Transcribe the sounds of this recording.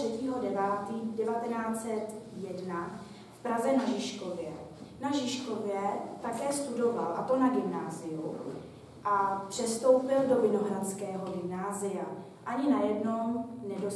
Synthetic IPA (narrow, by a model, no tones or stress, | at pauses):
r̥ɛciːɦo̞dɛvaːt̪iːdɛvat̪ɛnaːt͡sɛt̪jɛdna | fpɾazɛnaʒɪʃko̞vjɛnaʒɪʃko̞vjɛt̪akɛːst̪udo̞valʔat̪o̞naɡɪmnaːzɪju | ʔapr̝̥ɛst̪o̞wpɪldo̞vɪno̞ɦɾat͡skɛːɦo̞ɡɪmnaːzɪja | ʔaɲɪnajɛdno̞wnɛdo